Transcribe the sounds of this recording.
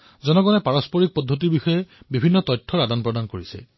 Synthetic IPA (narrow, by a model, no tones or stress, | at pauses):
zɔnɔɡɔnɛpaɹɔspɔɹik̚pɔdʱːot̬iɹbixɔjɛbibʱinːɔtɔjtʰːɔɹadanpɹɔdankoɹisɛ̰